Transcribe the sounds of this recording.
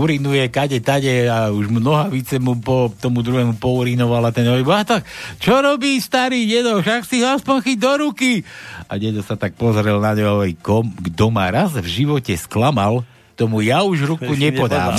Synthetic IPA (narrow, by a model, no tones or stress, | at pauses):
uɾinujɛkaɟɛt̪aɟɛauʒmnɔɦaʋit͡sɛmupɔt̪ɔmud̪ɾuɦɛmupɔuɾinɔʋalat̪ɛnɔʋibɔɦat̪akt͡ʃɔɾɔbiːst̪aɾiːɟɛd̪ɔfʃaksiɦɔaspɔɲxiɟd̪ɔɾukia̰ɟɛd̪ɔsat̪ak̚pɔzɾɛlnaɲɛɔɛjkɔmɡd̪ɔmaɾazvʒiʋɔcɛsklamal | t̪ɔmujauʒɾukuɲɛpɔd̪aː